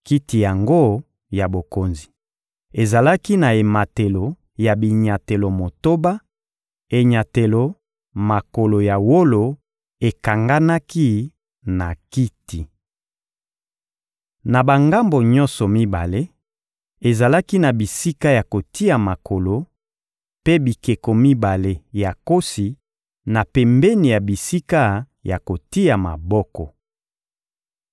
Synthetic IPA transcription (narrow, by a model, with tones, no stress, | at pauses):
ki˦ti˨ja˨ŋɡo˦ | ja˨bo˨ko˨nzi˨ | e˨za˨la˦ki˦na˨e˨ma˨te˨lo˨ | ja˨bi˨ɲa˨te˨lo˨mo˨to˦ba˦ | e˨ɲa˨te˨lo˨˦ | ma˨ko˨lo˨ja˨wo˦lo˨ | e˨ka˨ŋɡa˦na˦ki˦ | na˨ki˦ti˨ | na˨ba˨ŋɡa˦mbo˨ɲɔ̃˦nsɔ˨mi˦ba̰˨le˦ | e˨za˨la˦ki˦na˨bi˨si˦ka˦ja˨ko˨ti˦a˨ma˨kʰo˨lo˨ | pe˦bi˨ke˨ko˨mi˦ba˨le˦ja˨ko˦si˨ | na˨pɛ˨mbɛ˦ni˨ja˨bi˨si˦ka˦ | ja˨ko˨ti˦a˨ma̰˨bɔ˦kɔ̰˨